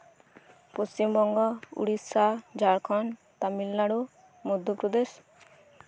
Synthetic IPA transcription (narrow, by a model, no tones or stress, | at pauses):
post͡ʃimbɔŋɡɔṵɽisad͡ʒaɽkʰɔn | t̪amilnaɽu | mud̪ʱjopɾɔd̪es